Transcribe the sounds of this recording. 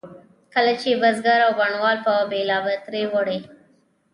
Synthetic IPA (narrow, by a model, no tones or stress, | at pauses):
kəlat͡ʃebazɡaɾawbaɳwɑlpabelɑbət̪ɾewoɽe